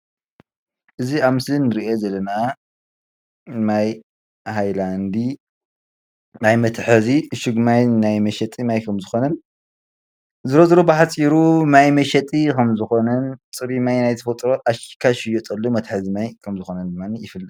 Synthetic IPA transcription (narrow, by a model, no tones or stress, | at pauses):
ʔɨziaβmɨslinɨɾiʔezɐlːɐna | naj | ɦajland̪i | najmɐt̪ʰħɨziɨʃɨɡmajnajmɐʃɐt̪ʼimajkʰɐmzɨxo̞nɐn | zɨɾozɾobɨħat͡sʼiɾumajmɐʃɐt̪ʼikʰɐmzɨxo̞nɐnt͡sʼɨβimajnajt̪ʰɐfɐt̪ʼɾoʔaʃi̥kʰːaʃɪjot̪ʼɐlːomɐt̪ħazimajkʰɐmzɨxo̞nɐnd̪ɨmːanijɪfɨlːɨ